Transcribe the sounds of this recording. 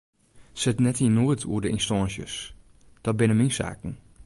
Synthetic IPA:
sɛtnɛthiənuətʰṵədəinstɔːnsjə̰s | d̥ɔt̚bɪnəminsa̰ːkn̩

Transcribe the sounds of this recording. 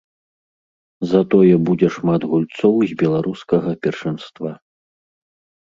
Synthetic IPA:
zɐt̪ɔjɛbud͡zʲɛʂmad̪ɣulʲt̪sɔwzʲbʲɛlˠaɾuskɐɣɐpʲɛrʂɨnst̪va

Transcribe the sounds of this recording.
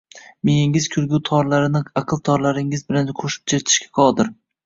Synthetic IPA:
mejɪŋɪzkʲʰʊɾɡʲut̪ʰɒɾlaɾɪnɪɑqʰɨlˠt̪ʰɒɾlaɾɪŋɪzbɪlanqʰoʃɪ̥p̚t͡ʃʰet̪ʰɪ̥ʃkʲḁqʰɒd̪ɪɾ

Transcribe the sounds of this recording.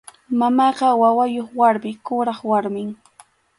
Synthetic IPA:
mamɑːɢɑwawajoχwaɾmɪkʊɾɑχwaɾmɪŋ

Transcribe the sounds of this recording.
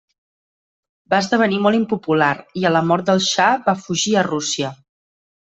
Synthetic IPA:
baəzðəβ̞ənimɔlˠimpupulaɾiələmɔɾt̪̚d̪əlˠʃabafuʒiərusiə

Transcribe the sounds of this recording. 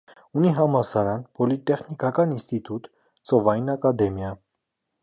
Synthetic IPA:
uniɦɑmɑsɑɾɑnpʰɔlit̪ɛχnikɑkɑninst̪it̪ut̪ | t͡sɔvɑjinɑkɑd̪ɛmjɑ

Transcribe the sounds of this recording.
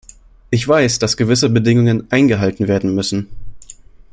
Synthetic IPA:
ʔɪçv̥aɪsd̥asɡ̥əvɪsəbədɪŋʊŋənʔaɪnɡəɦaltn̩veːɐdn̩mʏsn̩

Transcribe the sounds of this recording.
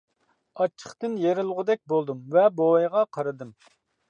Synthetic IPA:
ɑt͡ʃʰːə̥χt̪ɨnjeɾɪlˠʁʊd̪ɛk̚ʲbolˠd̪ɨmvɛbojʁɑqʰɑɾɨd̪ɨm

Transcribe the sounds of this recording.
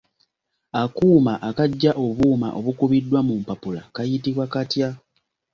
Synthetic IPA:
akuːmaʔakaɟːaʔo̞βuːma̰ʔo̞βukuβidːwamumpapula̰kajitiβwakatja

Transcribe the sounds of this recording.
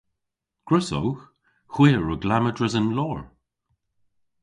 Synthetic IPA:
ɡ̥ɹəso̰wx | hwiːɹəɡlamədɹəzənlɔːɹ

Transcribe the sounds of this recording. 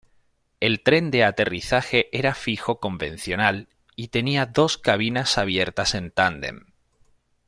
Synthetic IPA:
e̞lt̪ɾe̞nd̪e̞at̪e̞riθaxe̞ʔeɾafixo̞ko̞mbẽ̞̰n̟θjo̞nal | it̪e̞niaðo̞skaβ̞inasaβ̞je̞ɾt̪ase̞nt̪and̪e̞̰m

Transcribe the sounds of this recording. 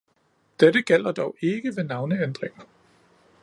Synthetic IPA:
d̥edəɡ̥el̰ɐd̥ɒʊʔe̝ɡ̥əʋe̝nɑ̈ʊnəend̥ʁeŋɐ

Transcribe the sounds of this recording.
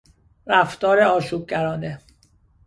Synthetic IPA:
ɾæft̪ɒːɾeɒːʃuːb̚ɟæɾɒːne

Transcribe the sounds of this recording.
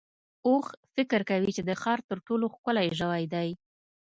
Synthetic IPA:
oxfɪkɾkawit͡ʃed̪əxɑɾt̪əɾʈoloxkʊlajʒəwajd̪aj

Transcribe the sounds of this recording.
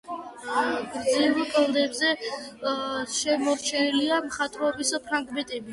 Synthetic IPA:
ɡɾd̪zivɛkʼɛlˠd̪ɛbzɛ | ʃɛmɔɾt͡ʃʰɛniliamχat̪ʼɾɔbispʰɾaŋɡmɛt̪ʼɛbi

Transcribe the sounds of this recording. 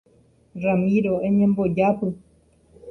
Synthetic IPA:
ramĩɾoeɲẽmbod͡ʒapɨ

